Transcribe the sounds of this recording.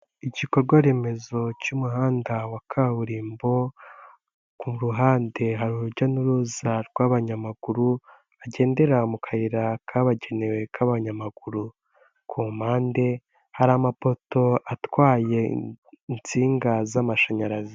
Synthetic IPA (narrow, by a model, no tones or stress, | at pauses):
iɟiko̞ɾɡwaɾe̞me̞zo̞cumuhaːndawakʰaβuɾiːmbo̞ | kumuɾuɦaːnde̞ɦaɾuɾuɾɟanuɾuzaɾɡ̥waβaɲamaɡ̥uɾu | aɟe̞ːnde̞ɾamukʰaiɾakʰaβaɟe̞newe̞kʰaβaɲamaɡ̥uɾu | kʰumaːnde̞ | haɾamapo̞to̞atwaːje̞int͡siːŋɡazamaʃaɲaɾazi